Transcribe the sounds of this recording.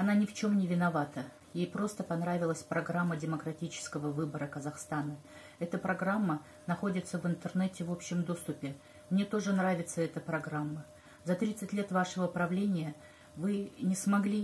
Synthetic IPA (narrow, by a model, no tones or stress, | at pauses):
ɐnanʲɪft͡ɕo̞mnʲɪvʲɪnɐvat̪ə | jejpɾo̞st̪əpɐnɾavʲɪlˠəsʲpɾɐɡɾamːədʲɪməkɾɐtʲit͡ɕɪ̥skəvəvɨbəɾəkəzɐxst̪anə | ɛt̪əpɾɐɡɾamːə | nɐxo̞dʲɪt̪səvɨnt̪ərnɛtʲɪvo̞pɕːɪmd̪o̞st̪ʊpʲɪ | mnʲe̞t̪o̞ʐɨnravʲɪt̪səɛt̪əpɾɐɡɾamːə | zɐt̪ɾʲit̪sɨtʲlʲe̞t̪vaʂəvəpɾɐvlʲenʲɪjə | vɨnʲɪsmɐɡlʲi